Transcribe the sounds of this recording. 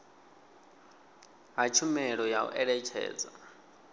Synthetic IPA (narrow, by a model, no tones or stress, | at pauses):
ɦat͡ʃʰumɛɺɔjaṵʔɛɺɛt͡ʃʰɛ̰ːd͡za